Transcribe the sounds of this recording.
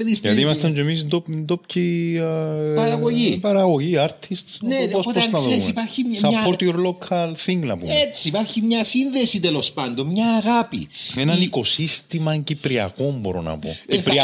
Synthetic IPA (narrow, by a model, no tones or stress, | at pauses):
eðisjɐt̪imɐst̪ɐɲd͡ʒemisend̪opend̪op̚cʰi | ɐɾɐɣoʝipɐɾɐɣo̞ʝiɐɾt̪ʰist̪neposopoɐsɐsesipɐɾçisɐoɾt̪ioɾlo̞kʰɐlθiŋɡnɐpṵmet͡siipɐɾçimɲɐsinðe̞sit̪elo̞spɐnd̪ommɲɐːɣapḭenɐniko̞sist̪imɐɲcipɾiɐ̰ko̞mbo̞ɾo̞̰nɐ̰po̞̰ipɾi